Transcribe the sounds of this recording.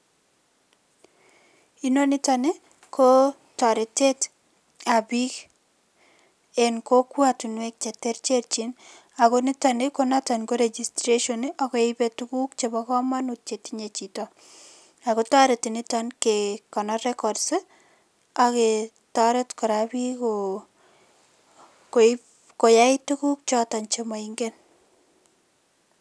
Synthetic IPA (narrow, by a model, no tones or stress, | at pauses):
inonɪtane | ko | tɔɾɪtet | abik | ɛnkokwatunwɛk̚t͡ʃɛteɾt͡ʃeɾt͡ʃin | akonɪtanekonatanɡoɾed͡ʒistɾeʃɔniʔɔkɔɪbetukukt͡ʃebɔkɔmanut̚t͡ʃetiɲet͡ʃitɔ | akotaɾetinɪtankekɔnɔɾɛkɔdse | ake | taɾetkɔɾabiko | ko | kojaɪtukuk̚t͡ʃɔtant͡ʃemaiŋɡen